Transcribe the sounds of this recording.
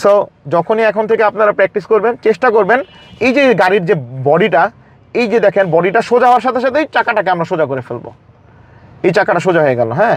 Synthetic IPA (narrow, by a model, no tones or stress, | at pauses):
sod͡ʑɔkʰoniɛkʰont̪ʰekeapnaɾapɾɛk̚ʈiskoɾbent͡ɕeʃʈakoɾben | ejd͡ʑeɡaɾiɾd͡ʑebɔɖiʈa | ejd͡ʑed̪ɛkʰenbɔɖiʈaʃod͡ʑaɦɔoaɾʃat̪ʰeʃat̪ʰeejt͡ɕakaʈakeamɾaʃod͡ʑakoɾefelbo̰ | ejt͡ɕakaʈaʃ̬od͡ʑaɦoeɡɛlo̰ɦɛː